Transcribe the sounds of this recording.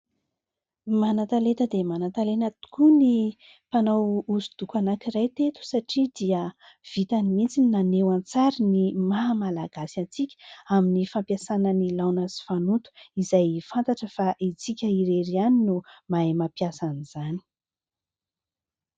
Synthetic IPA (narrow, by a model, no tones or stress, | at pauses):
manat̪alet̪əd̪emanat̪alenat̪u̥kuni | panawuzud̪̥ukanakiɾajt̪et̪u̥saʈ͡ʂid̪iə | v̥it̪animint͡sininanewant͡saɾinimaɦamalaɡ̥asant͡sikʲə̥aminifampjasanənilawnazi̥fanut̪u̥izajfant̪aʈ͡ʂəfaʔit͡sikʲəiɾeɾianinumaemapiasaniz̥ani̥